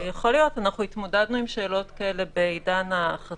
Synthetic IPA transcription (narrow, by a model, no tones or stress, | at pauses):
jaχo̞lijo̞tanaχuit̪modad̪nuimʃe̞ːlo̞tkaele̞bejdanaχa